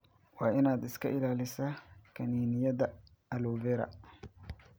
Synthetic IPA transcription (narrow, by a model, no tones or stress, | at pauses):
waːɪnaːd̪ɪskʰɐ̰ʔɪlaːlɪsɐkʰɐniːnɪjɐðɐ | ɐluːvɛːɾɐ̰